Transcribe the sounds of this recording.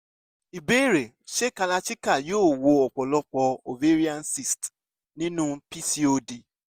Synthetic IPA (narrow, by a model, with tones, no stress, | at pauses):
i˨be˦˨ɾe˨ | ʃe˦ka˧la˧t͡ʃi˦ka˦˨joː˦˨wo˧˦ɔ˨k͡pɔ˨lɔ˦k͡pɔ˧o˨ve˦ɾi˦a˦nsi˨st | nĩ˦nũ˦pi˦si˦o˧di˨